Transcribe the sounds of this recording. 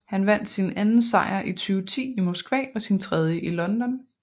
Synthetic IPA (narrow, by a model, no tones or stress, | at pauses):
hænʋæn̰d̥sinʔænn̩sɑ̈ɪɐʔit͡sʰyːʊt͡sʰḭːimɔsɡ̥ʋɛ̰ːɒ̽sint͡sʰʁɛð̞ˠjəʔilɒ̽nd̥ɒ̽n